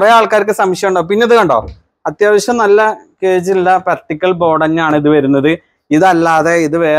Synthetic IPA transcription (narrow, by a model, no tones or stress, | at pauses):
reaːɭkaːɾkːɨsɐmɕjɐmuɳɖoːpinːeɐðɨkɐɳɖoː | ɐt̪jaːʋɐɕjɐmnɐlːɐkeːd͡ʑinilːɐpɾɐʈːikʲːɐlbo̞ːɽɐɲːaːɳɨiðɨʋɐɾunːɐðɨ | iðɐlːaːðeiðɨʋeː